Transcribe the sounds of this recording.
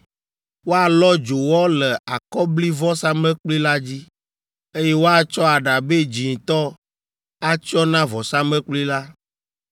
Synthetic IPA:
wo˦a˨lɔ˦d͡ʒo˨wɔ˦lɛ˨a˨kɔ˦bli˦vɔ˦sa˦mɛ̃˦k͡pli˦la˦d͡ʑi˦ | e˦je˦wo˦a˨t͡ʃɔ˦a˨ɖa˨be˦d͡ʒi˨ŋ˨t̪ɔ˦ | a˦t͡ʃi˦ɔ˦nã˦vɔ˨sa˦mẽ˦k͡pli˦la˦

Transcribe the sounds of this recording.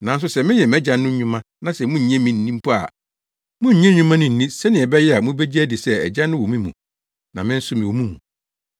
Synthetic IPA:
nã˨n˦s̬ʊ˦sɛ˨mɪ̃˦ɲɛ˨m˨ɛ˦d͡ʑã˨n˦nʊ̃˦ɲũ˦mã˦ | nã˦sɛ˨mũ˦ɲ̩˨ɲɛ̃˦mĩ˨n̩˨nĩ˦m˦pʰu˦a̰˨ | mʊ̃˦ɲ̩˦ɲɛ̃˦ɲũ˦mã˦nʊ̃˨n̩˨ĩ˦sɛ˦nɪ̃˨ɛ˨bɛ˦jɛ˦a˨mũ˦be˦d͡ʑi˦æ˦dɪ˨sɛ˦ɛ̰˨d͡ʑã˦nːʊ̃˦wɔ˨mĩ˦mṵ̃˨ | nã˨mɪ̃˦n̩˦sʊ˦mɪ̃˨o˨mũ˦mũ˨

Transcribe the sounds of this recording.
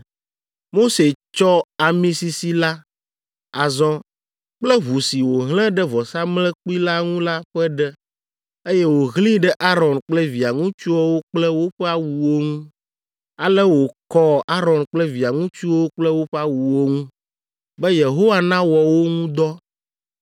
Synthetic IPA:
mo˦se˨t͡ʃɔ˦a˨mĩ˦si˨si˨la˦ | a˨zɔ̃˦ | k͡plɛ˦βu˨si˨wo˨ɦl̃ɛ̃˦ɖɛ˦vɔ˨sa˦mlɛ̃˦k͡pi˦la˦ŋũ˦la˦ɸɛ˦ɖɛ˦ | e˦jɛ˦wo˨ɣlĩ˦ɖɛ˦ʔa˦ɾɔ˨nk͡plɛ˦vi˨a˨ŋũ˦t͡ʃu˦ɔ˦wo˦k͡plɛ˦wo˦ɸɛ˦a˦wu˨wo˦ŋũ˦ | a˨lɛ˦wo˨kɔ˦a˦ɾɔ̃˨nk͡plɛ˦vi˨a˨ŋũ˦t͡ʃu˦wo˦k͡plɛ˦wo˦ɸɛ˦a˦wu˨wo˦ŋũ˦ | bɛ˦je˨ɦo˦wa˦nã˦wɔ˨wo˦ŋũ˦d̪ɔ˦

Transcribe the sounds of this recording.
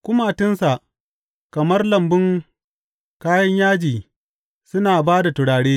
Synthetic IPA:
kʷʊ˦ma˦˨tɪ˦nsa˨ʔ | kɐ˨mɐ˦rlɐ˨mbʊ˦ŋ | kaː˦jɐ˦ɲjaː˦d͡ʒiː˨ | sʊ˦naː˨baː˦da˨tʊ˨ɽaː˨ɽeː˦

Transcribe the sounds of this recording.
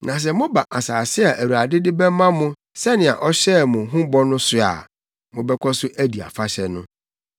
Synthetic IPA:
nã˨s̬ɛ˨mʊ̃˦ba˨ʔa˨saː˨sɪ˦a˨ʔæ˨wu˨a˨dɪ˦dɪ˦bɛ˦mã˦mʊ̃˦ | sɛ˦nɪ̃˨a̰˨ʔɔ˦ɕɛ˦˨mʊ̃˨˦ɦũ˦bɔ˦nʊ̃˦sʊ˦a̰˨ | mʊ̃˦bɛ˦kʷʰɔ˦sʊ˦ʔæ˦di˨a̰˨fa˦ɕɛ˨nʊ̃˦

